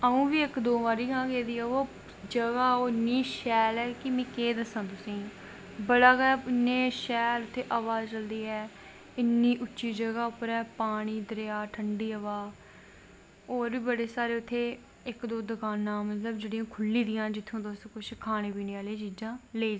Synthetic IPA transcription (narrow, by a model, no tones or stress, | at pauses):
əũːʋiːɪkd̪oːʋaːɾiːkãːkeːd̪iːɛːoː | d͡ʒəɡaːoːɪnːiːʃɛːlɛːkɪmĩːkeːd̪əsãːt̪ʊsĩː | bəɽaːɡɛːɪnːẽːʃɛːlʊt̪ʰːeːʔəʋaːzt͡ʃəld̪iːɛː | ɪnːiːʔʊt͡ʃːʃiːd͡ʒəɡaːʊpːəɾɛːpaːɽ̃iːd̪əɾeaːʈʰəɳɖiːəʋaː | oːɾʋiːbəɽeːsaːɾeːʊt̪ʰːeː | ɪkd̪oːd̪əkaːnãːmət̪ləbd͡ʒeːɽĩjãːkʰʊlːiːd̪ɪjãːd͡ʒɪt̪ʰːõːd̪oːskʊʃkʰaːnẽːpiːnĩaːleːt͡ʃiːd͡ʒãːleː